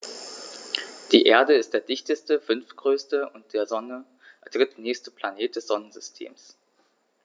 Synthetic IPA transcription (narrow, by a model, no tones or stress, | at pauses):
d̥iːʔeːɐdəɪst̚d̥eːɐdɪçtəstəfʏnftɡ̥ʁøːstəʔʊnt̚d̥eːɐzɔnə | d̥ʁ̥ɪtd̥nɛːçstəpl̥aneːt̚d̥ɛsz̥ɔnənzʏstʰḛːms